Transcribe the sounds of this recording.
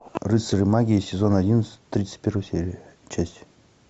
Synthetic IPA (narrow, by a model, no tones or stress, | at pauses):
rɨsɨɾɨmaɡʲisʲɪzonɐdʲinsʲt̪ːɾʲit̪sə̥t̚ʲpʲeɾɨsʲeɾʲɪt͡ɕasʲtʲ